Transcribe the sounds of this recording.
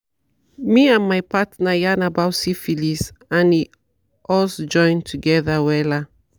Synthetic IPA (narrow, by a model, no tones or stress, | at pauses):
miãnmajpatnajanabawsifilisãni | ʔɔsd͡ʒɔ̃ɪ̃ntʰuɡɛðawɛla